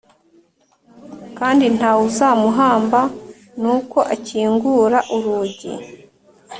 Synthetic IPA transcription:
kaːndin̥hawuzamuɦaːmba | nuːko̞ʔaciːŋɡuɾaʔuɾuːɟḭ

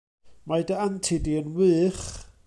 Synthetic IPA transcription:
majdantʰɪdiənwɨːχ

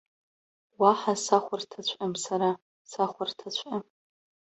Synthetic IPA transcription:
waħasaχʷartʰat͡ɕʷʰʼʔamsaɾa | saχʷartʰat͡ɕʷʰa

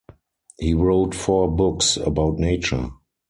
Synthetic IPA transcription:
hiːɹoʊtfɔbʊksə̰baʊtneɪt͡ʃə̰˞

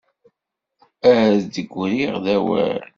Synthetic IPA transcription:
æd̪əɡʷːɾiʁðæwæ̰ɾ

